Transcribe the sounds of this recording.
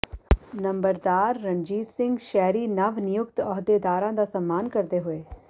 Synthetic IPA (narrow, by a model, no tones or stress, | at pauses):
nɐ̃mbəɾd̪aːɾːɐ̃ɲd͡ʒiːɾsɪ̃ŋɡʃɛɦɾinɐʋnɪjʊkt̪ɔːɦd̪ed̪aːɾãd̪asɐmːaːnkɐɾd̪eɦʊeː